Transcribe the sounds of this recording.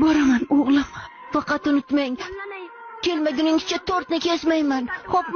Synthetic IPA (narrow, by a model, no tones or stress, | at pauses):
bɒɾamanoʁlˠɪm | fɑqʰɑt̪ʊnɪt̪maŋ | kʲe̞lmaɡʲʊnɪŋzɪt͡ʃʰat̪ʰoɾt̪nɪkʲʰe̞smajmanhop̚